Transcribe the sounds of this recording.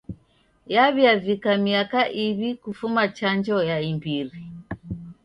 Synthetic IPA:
jaβjavikamiakaʔiβikufumat͡ʃand͡ʒɔjaimbiɾi

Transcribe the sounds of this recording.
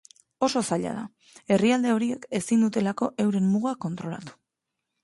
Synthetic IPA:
o̞so̞saʎa̰ð̞a̰ | e̞riald̪e̞o̞ɾieke̞sind̪ut̪e̞lako̞ʔe̞wɾe̞mːuɣako̞nt̪ɾo̞la̰t̪u̥

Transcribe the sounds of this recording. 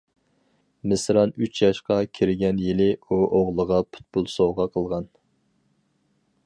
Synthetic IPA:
mɪsɾɑnyt͡ʃʰjɑʃqɑkʲʰiɾɪɡʲɛnjilɪuʔoʁlˠəʁɑpʰu̥t̪̚pulˠsoʁɑqʰəlˠʁɑn

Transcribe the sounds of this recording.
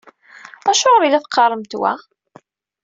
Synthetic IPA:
æʃʊʁəɾilæθqːɑrˤəmt̪wæ̰

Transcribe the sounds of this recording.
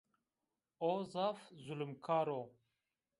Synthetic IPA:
ozafzulumkʰaːɾo

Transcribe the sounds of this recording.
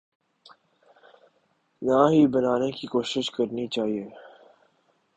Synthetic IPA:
naɦibɐnaːnekikoːʃɪʃkɐɾnit͡ʃaːɦieː

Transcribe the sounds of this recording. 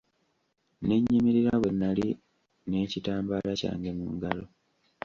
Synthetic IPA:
ne̞ɲːimiɾiɾawe̞nːali | ne̞ːcitaːmbaːlaca̰ːŋɡe̞muːŋɡalo

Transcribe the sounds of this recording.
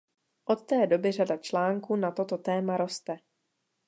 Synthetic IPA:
ʔo̞t̪ːɛːdo̞bɪradat͡ʃlaːŋkuːnat̪o̞t̪ot̪ɛːmaɾo̞st̪ɛ

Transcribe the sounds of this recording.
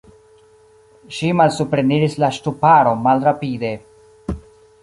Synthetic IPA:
ʃimalsupɾe̞niɾislaʃtupaɾo̞malɾapide̞

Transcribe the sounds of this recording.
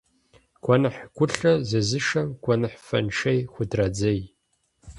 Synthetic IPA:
kʷʰɔnɨħɡʷʰʊɬɐzɐzɨʂɐmkʷʰʼɔnɨħfɐ̰nʃejxʷʊdrɐd͡zɐj

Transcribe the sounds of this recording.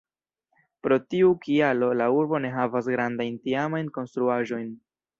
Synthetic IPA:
pɾo̞tiukʰialo̞lauɾbo̞ne̞ɦavas̬ɡɾandajntiamajnko̞nst̪ɾuaʒo̞jn

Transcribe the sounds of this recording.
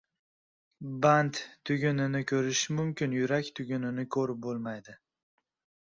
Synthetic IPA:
bant̪t̪ʰːʊɡʲʊnɪnɪkʰʲɵɾɪʃmʊmkʲɪnjʊɾakʲt̪ʰʊɡʲʊnɪnɪkʲʰɵɾɪp̚bolˠmajd̪ɪ

